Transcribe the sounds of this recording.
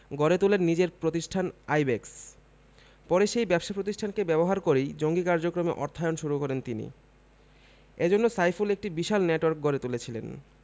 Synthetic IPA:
ɡɔɾet̪ulenːid͡ʑeɾpɾot̪iʃʈʰanajbeks | pɔɾeʃejbɛpʃapɾot̪iʃʈʰankebɛboɦaɾkoɾejd͡ʑoŋɡikaɾd͡ʑokɾomeʔɔ̰ɾt̪ʰaeonʃuɾukɔɾent̪inḭ | ed͡ʑonːosajfulek̚ʈibiʃalneʈowaɾk̚ɡɔɾet̪ulet͡ɕʰilḛn

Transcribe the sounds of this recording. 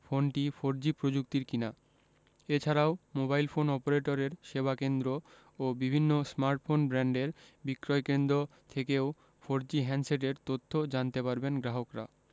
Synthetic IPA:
fonʈifoɾd͡ʑipɾod͡ʑuk̚t̪iɾkina | et͡ɕʰaɾaomobajlfonɔpoɾeʈoɾeɾʃeβakend̪ɾo | obibʱinːosmaɾʈfonbɾɛɳɖeɾbikɾɔekend̪ɾot̪ʰekeo | fʰoɾd͡ʑiɦɛnseʈ̬eɾt̪ot̪ʰːod͡ʑant̪epaɾbenɡɾaɦokɾa̰

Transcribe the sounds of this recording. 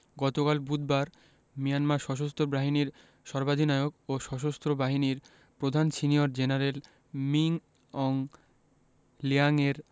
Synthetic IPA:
ɡɔt̪okalbud̪̚baɾ | mijanmaɾʃɔʃ̬ost̪ʰobɾaɦiniɾ | ʃɔɾbad̪ʱinaeoɡoʃɔʃ̬ost̪ɾobaɦiniɾ | pɾod̪ʱansinioɾd͡ʑenaɾel | miŋ | ɔŋ | liaŋeɾ

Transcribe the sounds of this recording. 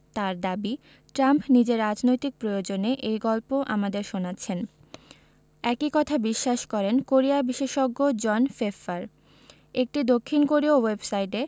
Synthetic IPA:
t̪aɾd̪abi | ʈɾampnid͡ʑeɾːad͡ʑnojt̪ik̚pɾojod͡ʑoneʔejɡɔlpoʔamad̪eɾʃonatːt͡ɕʰen | ɛkikɔt̪ʰabiʃːaʃkɔɾenkoɾiabiʃeʃɔɡːod͡ʑɔnfefaɾ | ek̚ʈid̪okʰːinkoɾiowebsajʈe

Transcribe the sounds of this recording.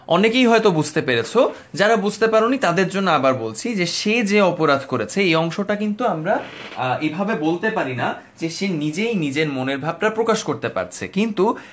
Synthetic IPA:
ɔnekejɦɔet̪obud͡ʑʱt̪epeɾet͡ɕʰo | d͡ʑaɾabud͡ʑʱt̪epaɾonit̪ad̪eɾd͡ʑonːoabaɾbolt͡ɕʰid͡ʑeʃed͡ʑeɔpoɾad̪ʱkoɾet͡ɕʰeejɔŋʃoʈakint̪uamɾaebʱabebolt̪epaɾina | d͡ʑeʃenid͡ʑejnid͡ʑeɾmoneɾbʱab̚ʈapɾokaʃkoɾt̪epa̰ɾt͡ɕʰḛkint̪u

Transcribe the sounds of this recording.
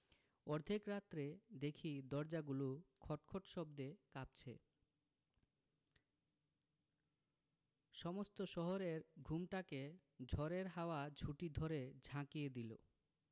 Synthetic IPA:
ɔɾd̪ʱikɾat̪ːɾed̪ekʰid̪ɔɾd͡ʑaɡulukʰɔʈkʰoʈʃɔbd̪ekap̚t͡ɕʰḛ | ʃɔmost̪oʃɔɦoɾeɾɡʱumʈake | d͡ʑʱɔɾeɾɦaoad͡ʑʱuʈid̪ʱoɾed͡ʑʱãkijed̪ilo̰

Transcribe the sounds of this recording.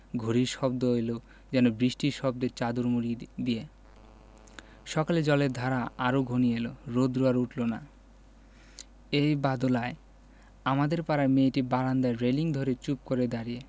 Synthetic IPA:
ɡʱoɾiɾʃɔbd̪oojlo | d͡ʑɛnobɾiʃʈiɾʃɔb̚d̪eɾt͡ɕad̪uɾmuɾid̪ie | ʃɔkaled͡ʑɔleɾd̪ʱaɾaaɾoɡʱonieloɾod̪ɾuaɾuʈlona | ejbad̪olae | amad̪eɾpaɾameʈibaɾand̪aɾeliŋd̪ʱoɾet͡ɕupkoɾed̪aɾije

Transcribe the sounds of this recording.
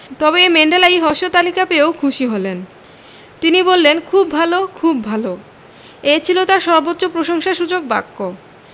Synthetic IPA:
t̪ɔbemeɳɖelaiɦɔʃot̪alikapeokʰuʃiɦolen | t̪inibolːenkʰubʱalokʰubʱalo | et͡ɕʰilot̪aɾʃɔɾbotːɕopɾoʃoŋʃaʃud͡ʑok̚ba̰kːo

